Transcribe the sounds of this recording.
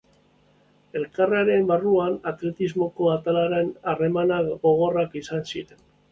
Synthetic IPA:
e̞lkaraɾe̞mbaruanat̪le̞t̪izmo̞ko̞at̪alaɾe̞nare̞manaɣo̞ɣ̞o̞rakisansiɾe̞n

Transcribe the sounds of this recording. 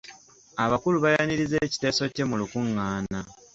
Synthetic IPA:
aβakuluβajaniɾizeːci̥te̞ːso̞ce̞mulukuŋːaːna

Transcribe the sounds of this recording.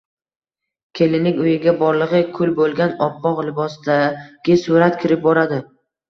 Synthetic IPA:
kʲʰe̞lɪnɪŋʲʊjɪɡʲabɒɾlˠɨʁɨkʰʊlbolˠɡʲanɒpːɒqlɪbɒsd̪aɡʲɪsuɾat̪kʰʲɪɾɪp̚bɒɾad̪ɪ

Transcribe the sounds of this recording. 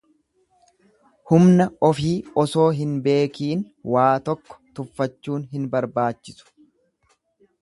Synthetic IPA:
hʊmnɐɔfiːɔso̞ːɦɪnbe̞ːkiːn | waːt̪ɔkːɔ̥t̪ʊfːɐt͡ʃːuːnɦɪnbɐɾbaːt͡ʃːɪsʊ̥

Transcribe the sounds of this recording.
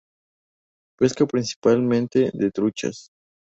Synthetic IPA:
peskapɾinsi̥palmẽnt̪eðet̪ɾut͡ʃa̰s

